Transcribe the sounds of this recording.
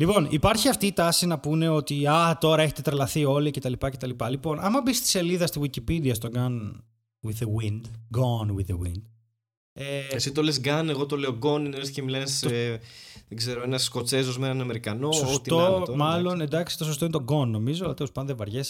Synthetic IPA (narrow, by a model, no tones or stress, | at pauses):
lipo̞nipɐɾçiɐft̪iːt̪ɐsinɐpune̞o̞t̪iɐt̪o̞ɾɐeçet̪et̪ɾelɐθio̞lice̞t̪ɐlipɐce̞t̪ɐlipɐlipo̞nʔɐmɐbist̪i̥se̞liðɐst̪iɣwicipid̪iɐst̪oɡɐn | wiðewind̪ɡonwiðewḭnd̪ | eesit̪olesɡɐneɣo̞t̪o̞le̞oɡo̞nineesθcemilɐneseðeɡze̞ɾoenɐssko̞t͡ses̬ozmenɐnɐme̞ɾikɐnosost̪ot̪omɐlo̞nend̪ɐksit̪oso̞st̪o̞inet̪o̞ɡo̞nːo̞mizot̪iospɐnðevɐɾʝes